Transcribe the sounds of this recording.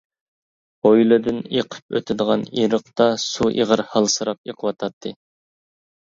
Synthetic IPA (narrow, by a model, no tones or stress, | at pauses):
ojlˠɨd̪ɨneqʰə̥p̚ø̰t̪ʰɪd̪əʁɑniɾəqt̪ɑsuʔḭʁəɾhɑlˠsɨɾɑp̚eqʰəwɑt̪ʰɑt̪ʰːɨ